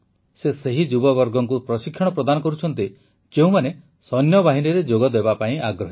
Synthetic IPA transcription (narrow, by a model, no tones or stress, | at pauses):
seseɦid͡ʒubɔbɔɾɡɔŋkupɾɔsikʰːjɔɽ̃ɔpɾɔd̪anɔkɔɾut͡ʃʰɔnt̪i | d͡ʒeũmane | sɔnjɔbaɦiniɾed͡ʒoɡɔd̪ebapaĩʔaɡɾɔɦi